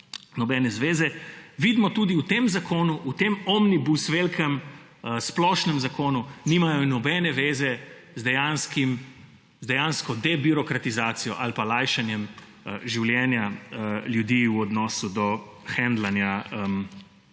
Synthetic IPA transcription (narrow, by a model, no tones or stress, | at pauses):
nɔbɛnɛzʋeːzɛʋiːd̪mɔt̪uːd̪iut̪emzakoːnuʔut̪emɔmnibusʋelkʰɛm | əsplɔːʃnɛmzakoːnunimajɔnɔbɛnɛʋeːzɛ | zd̪ɛjanskim | zd̪ɛjanskɔd̪ɛbiɾɔkɾat̪izaːt̪sijɔ̰ʔalpalajʃanjɛm | əʒiwljɛːnjaljud̪iuɔd̪nɔːsud̪ɔ | xɛnd̪lanjaəm